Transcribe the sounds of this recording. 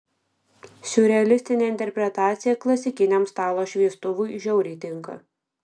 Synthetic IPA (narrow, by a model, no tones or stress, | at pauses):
sʲʊɾʲɛɐlʲɪsʲt̪ʲɪnʲeːɪnʲt̪ʲɛɾʲpʲɾʲɛt̪ɑːt̪sʲɪjɛklˠɐsʲɪkʲɪnʲemst̪ɑːlˠoːʃʲʋʲiɛst̪ʊʋʊɪʒʲɛʊɾʲiːt̪ʲɪŋkɐ̰